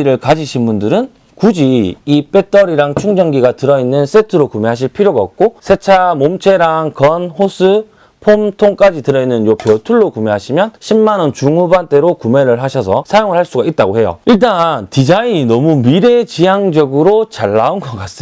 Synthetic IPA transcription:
ɾɯɭkad͡ʑiɕʰinbundɯɾɯn | kud͡ʑiip͈e̞t͈ʌɾiɾaŋt͡ɕʰuŋd͡ʑʌŋɡiɡatɯɾʌinːɯns͈etʰɯɾokumeɦaɕ̬ʰiɭpʰiɾjoɡaʌk̚k͈osʰe̞t͡ɕʰamomt͡ɕʰe̞ɾaŋkʌnhosʰɯ | pʰomtʰoŋk͈ad͡ʑitɯɾʌinːɯnjopjʌtʰuɭːokumeɦaɕʰimjʌnɕʰimːanʌnt͡ɕuŋubant͈e̞ɾokume̞ɾɯɭɦaɕʰʌsʰʌsʰajoŋɯɭhaɭs͈uɡait̚t͈aɡohe̞jo̰iɭt̬͈antid͡ʑaiɲinʌmumiɾe̞t͡ɕijaŋd͡ʑʌɡɯɾot͡ɕaɭːaunɡʌk͈as͈ɯ

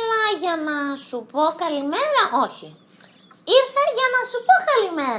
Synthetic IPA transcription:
lɐʝɐnɐsupo̞kɐlime̞ɾɐʔo̞çi | iɾθɐʝɐnɐsupokɐlime̞ɾ

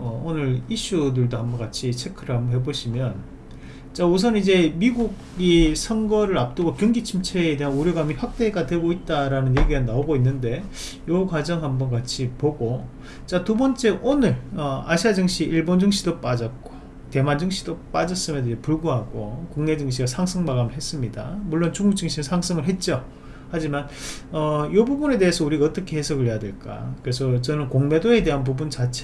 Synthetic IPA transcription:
ʌonɯɾiɕ͈udɯɭdohambʌnkat͡ɕʰit͡ɕʰekʰɯɾamɦe̞boɕʰimjʌn | t͡ɕ͈aus̬ʰʌnid͡ʑe̞miɡuɡ | isʰʌŋɡʌɾɯɾap̚t͈ɯɡokjuŋɡit͡ɕʰimt͡ɕʰeːde̞ɦanuɾjʌɡamiɸwak̚t͈e̞ɡadwe̞ɡoit̚t͈aɾanɯnje̞ɡiɡanaoɡoinːɯnde̞ | jʌkad͡ʑʌŋɦambʌnkat͡ɕʰipoɡo | t͡ɕ͈atubʌnt͡ɕ͈e̞ʔonɯɭʌaɕʰiad͡ʑɯŋɕ͈ʰiʔiɭbond͡ʑɯŋɕʰidop͈ad͡ʑʌt̚k͈o̥ | te̞mand͡ʑɯŋɕʰid̥op͈ad͡ʑʌs͈ɯmjʌndd͡ʑepuɭɡuɦaɡokuŋne̞d͡ʑɯŋɕ̬ʰiɡasʰaŋsʰɯŋmaɡamɯɭɦes͈ɯmɲidamuɭːont͡ɕuŋuk̚t͡ɕɯŋɕʰinɯnsʰaŋsʰɯŋɯɭɦe̞t̚t͡ɕ͈o | had͡ʑiman | ʌjobubune̞de̞ɦesʰʌuɾiɡaʌt͈ʌkʰe̞he̞sʰʌɡɯɭɦejadwe̞ɭk͈a̰kɯɾesʰʌt͡ɕʌnɯnkoŋme̞doe̞de̞ɦanp̬ubunt͡ɕat͡ɕʰe

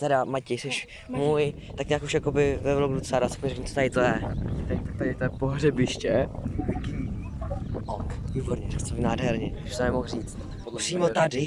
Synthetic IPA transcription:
t̪ɛɾamacɛjsɛʃ | muːj | t̪akɲaːkuʃjakobɪvɛvloɡdut͡sadasḁkpɲɾɛkɲumt͡s̪ot̪adɪt̪ojɛt̪aɪt̪ak̚t̪adɪt̪ojɛpoɦrɛbɪʃcɛvki | okviːboɾɲɛɾɛst̪obɪnaːdɦɛɾɲɛɪʃt̪onɛmoxriːt͡st̪ | psiːmot̪adɪ

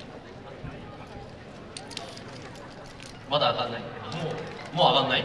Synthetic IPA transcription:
mad̪aːkanːaimoːmoːakanːai

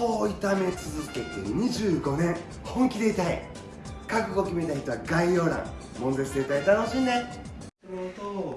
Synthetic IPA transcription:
oit̪ame̞t͡sɨzɨke̞t̪e̞̰ɲ̟iʑɨːɡo̞nẽ̞ | hõ̞ŋkʲid̪e̞it̪aḭ | kakɯ̟ɡo̞kʲime̞t̪açi̥t̪o̞βaɡaio̞ːɾã̰ŋ | mõ̞nd̪esɨd̪et̪ait̪anoɕĩnnẽ

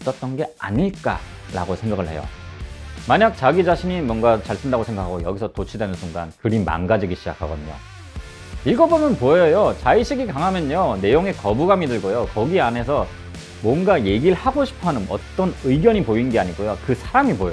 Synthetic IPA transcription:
s͈ʌt̚t͈ʌnɡe̞a̰ɲiɭk͈a̰ | ɾa̰ɡosʰe̞ŋɡaɡɯɭɦejo̰ | maɲak̚t͡ɕaɡid͡ʑaɕʰiɲimwʌnɡat͡ɕaɭsʰɯndaɡosʰe̞ŋɡakʰaɡojʌ̰ɡisʰʌtot͡ɕʰidwenɯnsʰuŋɡa̰nkɯɾima̰nɡad͡ʑiɡiɕʰid͡ʑa̰kʰaɡʌdɯɲo̰ | iɭɡʌbomjʌnpojʌjot͡ɕaiɕʰiɡikaŋɦamjʌɲone̞joŋe̞kʌbuɡamidɯɭɡojokʌɡiane̞sʰʌ | mwʌnɡaje̞ɡiɭhaɡoɕʰi̥pʰanɯnʌ̰t͈ʌnɯiɡjʌɲipoinnɡe̞aɲiɡojokɯsʰaɾamipoje

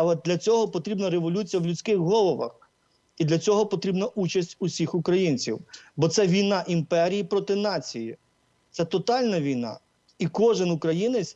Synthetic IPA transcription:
ɐlˠɛd̪lʲɐt͡sʲɔɦɔpɔt̪ɾʲibnɐɾeʋɔlʲut͡sʲijɐwlʲʊt͡sʲkɪxɦɔlˠɔʋɐ̰x | id̪lʲɐt͡sʲɔɦɔpɔt̪ɾʲibnɐʔut͡ʃɐsʲtʲʊsʲixʊkɾɐjinʲt͡sʲiwbɔt̪sɛʋʲijnɑʔimpɛɾʲijipɾɔt̪ɪnɑt͡sʲiji | t̪sɛt̪ɔt̪ɑlʲnɐʋʲijnɑ̰ | ikɔʒɪnʊkɾɐjinet͡sʲ

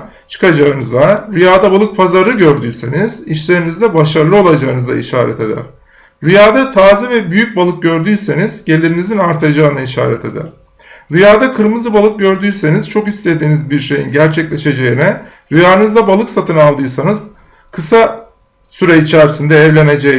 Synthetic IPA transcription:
t͡ʃʰɯ̥kad͡ʒaɯnɯzaɾyjaːd̪abalˠɯk̚pʰazaɾɯɟøɾd̪yjse̞niz̥iʃlʲe̞ɾinizd̪ɛbaʃaɾlˠɯo̞lˠad͡ʒaɯnɯza̰iʃa̰ːɾɛ̰t̪ʰe̞d̪æ̰ɾ̥ | ɾyjaːd̪at̪ʰaːzɯvɛbyjyc̚balˠɯk̚ɟø̞ɾd̪yjse̞niz̥ɟe̞lʲiɾinizinaɾt̪ʰad͡ʒaɯnaiʃa̰ːɾɛt̪ʰe̞d̪æ̰ɾ̥ | ɾyjaːd̪akʰɯɾmɯzɯbalˠɯk̚ɟø̞ɾd̪yːse̞nizt͡ʃʰo̞kist̪e̞d̪iːnizbiɾʃe̞jinɟæɾt͡ʃʰɛclʲe̞ʃe̞d͡ʒe̞jinɛ | ɾyjaːnɯzd̪abalˠɯksat̪ʰɯnalˠd̪ɯːsanɯz | kʰɯsa | syɾɛit͡ʃʰæɾsind̪ɛːvlʲe̞ne̞d͡ʒe

